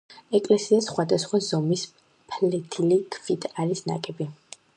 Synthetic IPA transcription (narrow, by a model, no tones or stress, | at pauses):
ɛkʼlɛsiasχwad̪asχwazɔmis | pʰlɛt̪ʰilikʰfit̪ʰaɾisna̰kʼɛbi